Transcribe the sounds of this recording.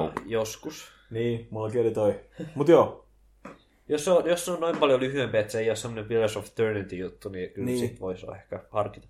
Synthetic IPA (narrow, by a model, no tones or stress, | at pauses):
joskus | niːmulkiolit̪oimut̪joː | josːojosːonnoimpɑljolyhyempiæet̪seeijossemːonempilesoft̪ørnit̪ijut̪ːunikylsit̪ʋoisɑ̰ehkæhɑrki̥t̪ɑ̥